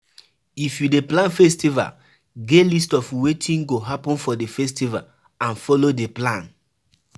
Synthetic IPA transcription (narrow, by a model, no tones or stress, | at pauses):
ifjudeplãnfɛstiva̰l | ɡelistɔfwetʰĩnɡoɦapɔ̃nfɔdefɛstiva̰l | ãnfɔlodeplãn